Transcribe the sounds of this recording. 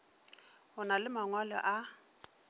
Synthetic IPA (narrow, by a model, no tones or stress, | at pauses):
hʊnalɪmaŋwalɔ̰ʔa